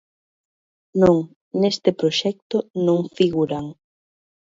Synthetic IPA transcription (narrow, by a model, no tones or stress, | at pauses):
nõŋ | nest̪ɪpɾoʃɛk̚t̪ʊnõŋfiɣuɾaŋ